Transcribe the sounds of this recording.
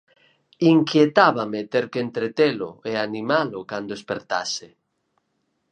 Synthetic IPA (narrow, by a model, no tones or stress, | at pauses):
iŋkjet̪aβamet̪eɾkent̪ɾet̪elʊ̰eanĩmalʊkand̪oespeɾt̪a̰se